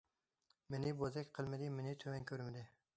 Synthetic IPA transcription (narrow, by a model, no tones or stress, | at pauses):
menɪbozakʲqʰɨlˠmɪd̪ɪmɪnɪt̪ʰɵmankʲʰɵɾmɪd̪ɪ